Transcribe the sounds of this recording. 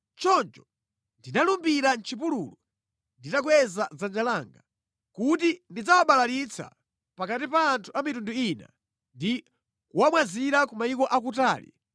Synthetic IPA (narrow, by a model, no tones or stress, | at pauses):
t͡ʃɔnt͡ʃɔ | ndinalumbiɾant͡ʃʰipulṵlɔ | nditakwɛzazand͡ʒalaːŋɡa | kut̬indid͡zawaɓalaɾit͡sʰa̰ | pakatipaːntʰuamitunduina̰ | ndi | kuwamwaziɾakumaikɔʔakuta̰ːlḭ